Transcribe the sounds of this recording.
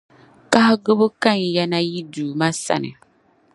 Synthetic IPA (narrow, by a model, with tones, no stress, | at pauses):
ka˦hɡɨ˦bɨ˦ka˦˨n˨ja˦na˦ji˦duː˨ma˦sa̰˨nɨ̰˨